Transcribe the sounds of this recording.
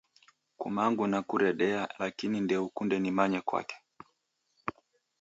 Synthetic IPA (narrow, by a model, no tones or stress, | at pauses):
kṵmaŋɡunakuɾɛɗɛalakinindɛukundɛnimaɲɛkwa̰kɛ̥